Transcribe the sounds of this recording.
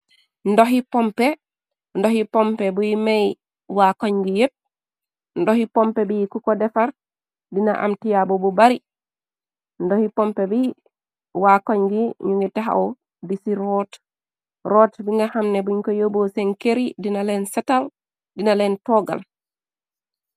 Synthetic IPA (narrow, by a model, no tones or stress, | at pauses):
ndɔɦipɔmpɛ | ndɔhipɔmpɛbujmaj | wakɔɲɡijep̚ | ndɔhipɔmpɛbikukɔdɛfaɾ | dina̰ʔa̰mtijabɔbubaɾi | ndɔhipɔmpɛbi | wakɔɲɡiɲuŋɡitaɦa̰ʔɔ | disiɾɔt | ɾɔtbiŋɡahamnɛbuɲkɔjobosɛnkeɾidinalɛnsɛtal | dinalɛntɔɡa̰l